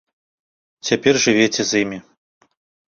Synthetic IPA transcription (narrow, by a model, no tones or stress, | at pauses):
t͡sʲapʲɛrʐɨvʲet͡sʲɛzimʲi